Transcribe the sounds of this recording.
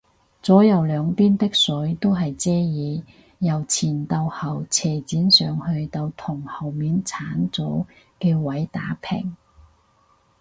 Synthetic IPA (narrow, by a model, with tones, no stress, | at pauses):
t͡sɔː˨˥jɐ˨˧wlœː˨˧ŋpiː˥nt̪ɪ˥k̚sɵ˨˥ɥt̪o˥wɦɐ˨jt͡sɛː˥jiː˨˧ | jɐ˨˩wt͡sʰiː˨˩nt̪ɐ˧whɐ˨˩wt͡sʰɛː˨˩t͡siː˨˥nsœː˨ŋhɵ˧ɥt̪ɐ˧wt̪ʰʊ˨˩ŋhɐ˨˩wmiː˨nt͡sʰaː˨˥nt͡so˨˥w | kɛː˧wɐ˨˥jt̪aː˨˥pʰɪ̰˨˩ŋ